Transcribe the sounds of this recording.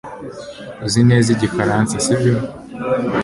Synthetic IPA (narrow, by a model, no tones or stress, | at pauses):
uzineːziɟifaɾansasibjo